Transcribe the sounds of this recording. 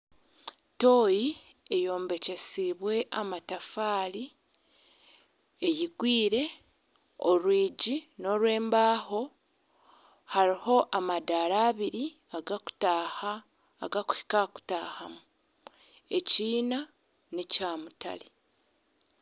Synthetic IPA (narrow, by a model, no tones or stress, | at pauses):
to̞ji | ejoːmbe̞ce̞siβwe̞ʔamatafaːli | ejiɡwiːɾe̞ | oɾwiːɟino̞ɾwe̞ːmbaːho̞ | haɾiho̞ʔamadaːɾaːβiɾi | aɡaku̥taha̰ː | ɡaku̥hi̥kaku̥taːhamu | e̞ciːna | nicaːmuta̰li